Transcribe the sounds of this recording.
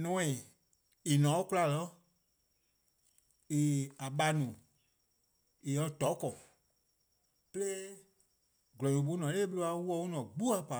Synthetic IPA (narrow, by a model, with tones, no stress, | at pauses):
nɔ̃˨˦ĩ˨ | i˨nɔ̃˨˦ku˦la˧˨lɔ˦ | i˨a˨ɓa˧˦nũ˨ | i˨jɔ˧˦tɔ˨˦kɔ˨ | pə˦leː˦ | ɡlɔ̃˨ɲũ˨ɓo˨˦nɔ̃˨leː˦ɓə˦lo˧a˧˦wu˦ɔ˧˦u˦nɔ̃˨ɡ͡bu˦a˨pa˨